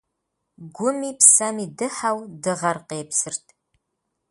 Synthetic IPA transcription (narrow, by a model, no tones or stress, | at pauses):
ɡʷʊmiːpʰsɐmiːdɨħawdɨʁɐrqeːpsɨrtʰ